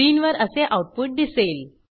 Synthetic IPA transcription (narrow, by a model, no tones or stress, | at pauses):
iːnʋəɾəseʔauʈ̚puʈ̚d̪isel